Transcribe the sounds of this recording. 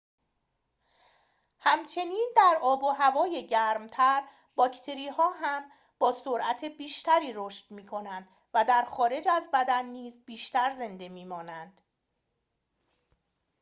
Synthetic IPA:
hæmt͡ʃʰe̞niːnd̪æɾɒːboɦævɒːje̞ɟæɾmt̪ʰæɾ | b̥ɒːcʰt̪ʰe̞ɾiːhɒːɦæm | b̥ɒːsoɾʔæt̪ʰebiːʃt̪ʰæɾiːɾoːʃt̪miːkʰo̞nænd̪ | væd̪æɾxɒːɾe̞d͡ʒæzbæd̪ænːiːzbiːʃt̪æɾze̞nd̪e̞miːmɒːnænd̪̥

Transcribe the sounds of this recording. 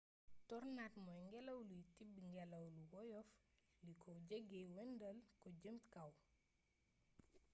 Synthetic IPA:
tɔrnatmɔjŋɡɛlɐwlujtibːŋɡɛlɐwluwɔjɔf | likʰɔɟəɡewɛndɐlkɔɟəmtkɐw

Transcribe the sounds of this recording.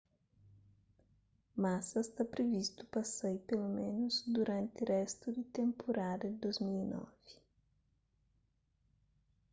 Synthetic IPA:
masɐst̪apɾevist̪u̥pɐsejpelomẽnuzd̪uɾãnt̪ɪrɛst̪ud̪it̪ẽmpʰoɾad̪ɐd̪ozmilinɔ̰v̥i̥

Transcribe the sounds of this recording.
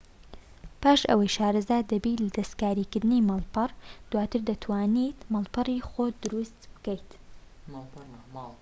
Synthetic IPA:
paːʃɐ̰wɐjʃaːɾɨzaːd̪ɐbiːt̪lɐd̪ɐst̪kaːɾiːkɨɾd̪ɨnimɑlˠpɨrd̪̥waːt̪ɨɾd̪ɐt̪ʰwaːnit̪mɑlˠpɨrixoːd̪ʊɾust̪bɨ̥kəjt̪

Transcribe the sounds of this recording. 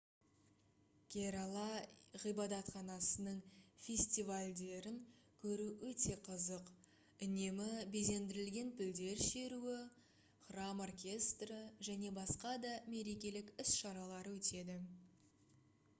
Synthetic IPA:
kʲʰeɾɑlˠɑʁijbɑd̪ɑt̪χɑnɑsənəɴfʲe̞sʲt̪ivalʲd̪e̞ɾɪŋkʲʰɵɾuwɵt̪e̞qʰəzəq | ʏne̞mɪbeze̞nd̪ɪɾɪlɡʲe̞npɪld̪e̞ɾʃe̞ɾuɪ | χramo̞rkʲe̞st̪rəʒæne̞bɑsqɑd̪ɑme̞ɾe̞kʲe̞lɪkʏsʃɑɾɑlˠɑɾəwɵt̪e̞d̪ɪ

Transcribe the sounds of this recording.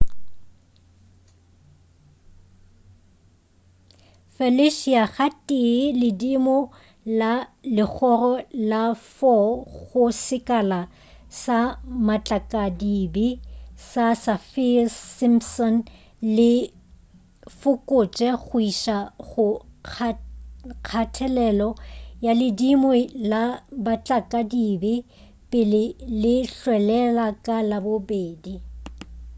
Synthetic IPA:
fɛlɪʃiaχatʼɪlɪdimɔ | lalɪk͡xʰɔrɔlafɔɣʊsɪkʼala | samat͡ɬʼakʼadibisasafisimpsɔn | lɪ | fʊkʼʊt͡ʃʼɛχʊiʃaχʊ | kʰatʰɛlɛlɔjalɪdimwɛlabat͡ɬʼakʼadibɪ | pʼɪlɪlɪɬwɛlɛlakʼalabobeːdi

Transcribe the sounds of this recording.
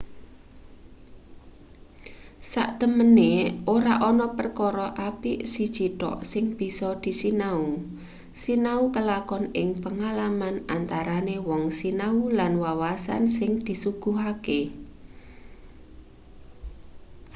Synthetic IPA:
sa̰ʔt̪əməneʔoɾaʔɔnɔpərkɔɾɔʔapisid̥ʒ̥it̪ɔ̰ʔsɪŋb̥i̤sɔd̪̥i̤sinau | sinaukəlakɔnɪŋpəŋalamanant̪aɾanewɔŋsinaulanwawasa̰nsɪŋd̪̥i̤suɡ̥ṳɦake

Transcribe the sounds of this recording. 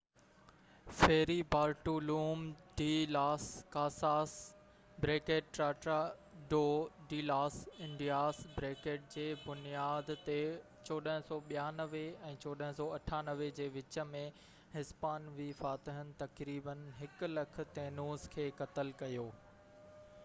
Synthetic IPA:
feːɾibaːɾʈuluːmɖiːlaːskaːsaːs | bɾeːkeːʈ̚ʈɾaːʈɾaɖoːɖiːlaːsɪ̃ɳɖijaːsbɾeːkeːʈ̚d͡ʑeːbʊnijaːd̪ʱt̪e | t͡ɕɔːɗəɦə̃sɔːɓijaːnɐʋeɛ̃ːt͡ɕoːɗəɦə̃sɔːɐʈʰaːnɐʋed͡ʑeːʋɪt͡ɕə̆mẽ | ɦɪspaːnʋifaːt̪ɪɦənɪ̆t̪ɐkɾiːbənɦɪkʊ̆lɐkʰʊ̆t̪eːnuːzkʰeːkɐt̪əlkɐjoː

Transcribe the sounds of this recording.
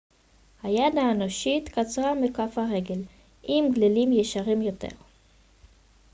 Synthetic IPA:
hajad̪aenoʃit̪kat͡sʁamekafhaʁe̞ɡel | ʔimɡlelimjeʃaʁimjo̞tḛʁ

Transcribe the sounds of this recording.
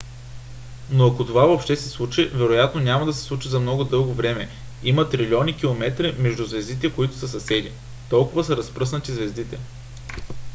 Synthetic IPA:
noɐkot̪ovavopʃt̪ɛsɛslˠut͡ʃivɛɾojat̪nonʲamɐd̪ɐsɛ̥slˠut͡ʃizɐmnɔɡʊd̪ɤlˠɡovɾɛmɛ | imɐt̪ɾilʲɔnik̟ilˠomɛt̪ɾimɛʒd̪uzvɛzd̪it̪ɛkoit̪ʊ̥sɐsɐsɛd̪i | t̪ɔlˠkʊvɐsɐɾɐspɾɤs̬nət̪izvɛzd̪it̪ɛ

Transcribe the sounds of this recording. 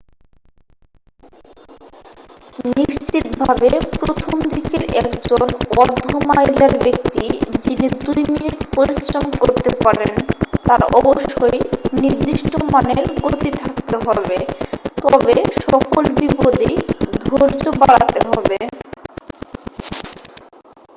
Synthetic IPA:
niʃt͡ɕit̪̚bʱabepɾot̪ʰomd̪ikeɾɛkd͡ʑonɔɾd̪ʱomajlaɾbek̚t̪id͡ʑinid̪ujminit̪poɾisɾomkoɾt̪epaɾḛnt̪aɾɔ̰boʃːojniɾd̪iʃʈomaneɾɡot̪it̪ʰakt̪eɦɔbet̪ɔbeʃɔkolbipod̪id̪ʱoɾd͡ʑobaɽa̰t̪eɦɔbe

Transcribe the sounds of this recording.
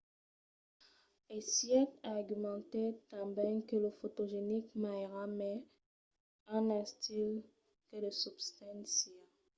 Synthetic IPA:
esjɛt̪aʁɡymɑ̃t̪ɛt̪ãbɛ̃kələfot̪oʒenikmaʁamɛ | ɛ̃nɛ̃st̪il | kələsybst̪ɛ̃nsja

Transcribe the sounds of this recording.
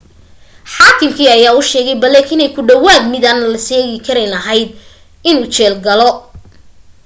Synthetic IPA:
ħaːkʰɪmkʰiːɐjaːʊʃɛːɣɛjbɐlɛkɪnɛjkʰʊɖɐwaːɡmɪðɐnɐlɐsɛːɣɪkʰɐɾɛnɐɦɐjd̪ | ɪnuːt͡ʃɛːlɡɐlɔ

